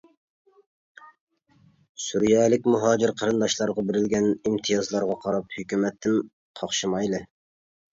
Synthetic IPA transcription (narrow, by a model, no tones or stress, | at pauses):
suɾijɑlˠɪkʲmuɦɑːd͡ʒɪɾqʰɑɾɨnd̪ɑʃlˠɑɾʁɑbɪɾɪlɡʲɛnimt̪ʰijɑzlˠɑɾʁɑqʰɑɾɑphykʲymɛt̪ʰːɪn | qʰɑχʃɨmɑjlˠɨ